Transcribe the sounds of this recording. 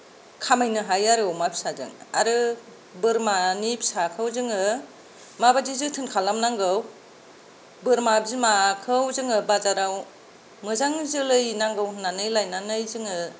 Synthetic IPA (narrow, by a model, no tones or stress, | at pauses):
kʰamajnɯɦajaɾɯwmabʰi̥sazɯ̰ŋa̰ɾɯ | bɯɾmanipʰi̥sakʰɯwzɯŋɯ | mabadizɯtʰɯnkʰalamnaŋɡɯw | bɯɾmabizmakʰɯwzɯŋɯbazaɾaw | mɯzaŋzɯlɯjnaŋɡɯwnanɯjlajnanɯjzɯŋɯ